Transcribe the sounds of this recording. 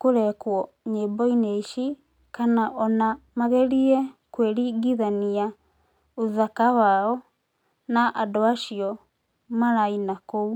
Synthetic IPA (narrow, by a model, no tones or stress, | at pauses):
koɾɛkwɔ | ɲebɔineiʃi | kanaʔɔnamaɣɛɾiɛkweɾiɡiðania | oðakawaɔ | naʔadɔaʃiɔ | maɾainakou